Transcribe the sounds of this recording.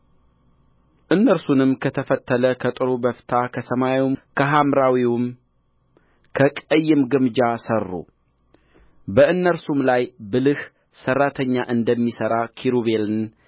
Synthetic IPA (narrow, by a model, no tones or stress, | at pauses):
ʔɨnːəɾsunɨmːkʰət̪ʰəfət̪ʰːələkʰət̪ʼɨɾubəft̪ʰakʰəsəmajwimkʰəɦamɾawiwʊm | kʰəkʼəjːɪmɡɨmd͡ʒasərːṵ | bəɨnːəɾsumlajbɨlɨh | sərːat̪ʰəɲːaʔɨnd̪əmːisəɾakʰiɾuβe̞lɨn